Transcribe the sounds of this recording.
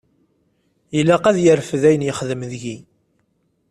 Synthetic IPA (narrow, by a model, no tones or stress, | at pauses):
jəlːæqæðjəɾfəðæjənjəχðəmðʝi